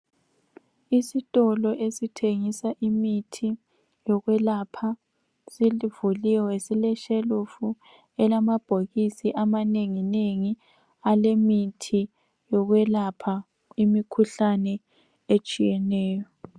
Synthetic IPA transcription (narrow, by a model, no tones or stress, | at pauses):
isitʼɔlɔʔesitʰeŋisaʔimitʰi | jɔɣwɛlapʰa | silivuliwɛsilɛʃelufu | ɛlamab̥ʱoɣisiʔamaneŋineŋi | alemitʰi | jɔɣwɛlapʰa | imikʰuɬanɛ | et͡ʃʼijɛnɛːjɔ